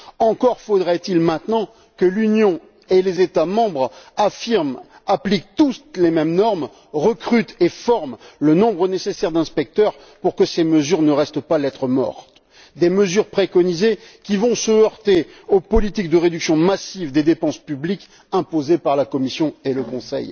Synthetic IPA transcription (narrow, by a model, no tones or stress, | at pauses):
ɑ̃kɔʁfod̪ʁɛt̪ilmɛ̃t̪nɑ̃ | kəlynjɔ̃ | elezet̪amɑ̃bʁafiʁm | aplik̚t̪uslemɛmnɔʁm | ʁəkχyt̪efɔʁmlənɔ̃bʁənesesɛʁd̪ɛ̃spɛk̚t̪œʁ | puʁkəseməzyʁnəʁɛst̪əpalɛt̪χəmɔ̰ʁt̪ | d̪eməzyʁpχekɔnizekʲivɔ̃səœʁt̪eopɔlit̪ik̚d̪əʁed̪yksjɔ̃masivd̪ed̪epɑ̃spyblik | ɛ̃pozepaʁlakɔmisjɔ̃eləkɔ̃sɛ̰j